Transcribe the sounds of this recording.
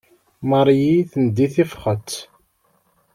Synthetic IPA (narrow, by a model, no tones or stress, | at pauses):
məɾˤjiθənd̪ːiθifχət̪ː